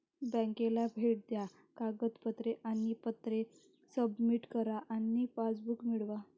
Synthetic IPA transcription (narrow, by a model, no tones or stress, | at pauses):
bɛ̃ŋkelabʱeʈ̚d̪ja | kaɡət̪pət̪ɾeʔanipət̪ɾe | səbmiʈkəɾaʔanːifad͡zbukmiɭʋa